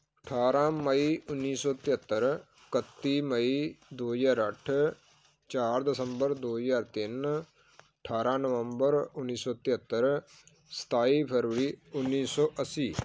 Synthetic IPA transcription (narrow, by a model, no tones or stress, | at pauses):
əʈʰaːɾãːməiːʊnːiːsɔːt̪ɪət̪ːəɾ | kət̪ːiːməid̪oːzaːɾəʈʰ | t͡ʃaːɾd̪ɪsəmbəɾd̪oːzaːɾt̪ɪn | əʈʰaːɾãːnəʋəmbəɾʊnːiːsɔːt̪ɪɦət̪ːəɾ | sə̥t̪aːiːpʰəɾʋəɾiːʊnːiːsɔːʔəsiː